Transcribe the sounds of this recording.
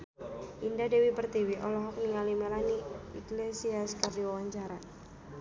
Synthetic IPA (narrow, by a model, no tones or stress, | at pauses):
ʔindadɛwipərt̪iwiʔɔ̰lɔɦɔk̚niŋalimɛlaniiklesiaskardiwawaɲt͡ʃaɾa